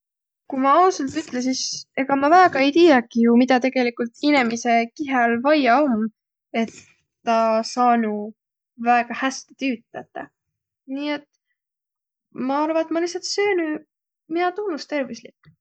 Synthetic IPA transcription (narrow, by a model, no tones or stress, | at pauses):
kumɑɑuselt̪yt̪ˑles̬ise̞ɡ̥ɑmɑvæːɡ̥ɑe̞jt̪iːjɑɡijumid̪ɑt̪e̞ɡ̥e̞likult̪ine̞mise̞kiɦɑlvɑjɑom | e̞t̪ː | ɑsɑːnu | væeɡ̥ɑhæst̪i̥t̪yːt̪ːˑæt̪ːe | niːe̞t̪ | mɑɑɾvɑet̪mɑlihsːɑt̪søːny | minɑt̪unːust̪e̞rvislikː